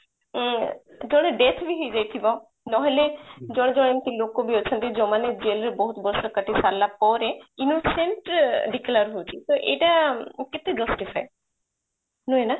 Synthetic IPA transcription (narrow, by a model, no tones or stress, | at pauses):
d͡ʒɔɽ̃eɖet̪ʰbʱiɦojd͡ʒajt̪ʰibɔ | nɔɦɔled͡ʒɔɽ̃d͡ʒɔɽ̃emt̪ilokobiɔt͡ʃʰɔnt̪id͡ʒɔmaned͡ʒelɾebɔɦut̪bɔɾsɔkəʈisalːapɔɾeinuseɳʈɖiklaɾɦowt͡ʃʰit̪oʔeʈaket̪ed͡ʒɔsʈifʰaj | nuena